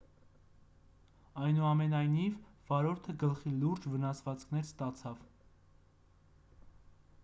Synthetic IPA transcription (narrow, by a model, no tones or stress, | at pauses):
ɑjnuɑmɛnɑjnivvɑɾɔɾt̪ʰəɡəlχiluɾd͡ʒvənɑsvɑt͡skʰnɛɾst̪ɑt͡sʰɑv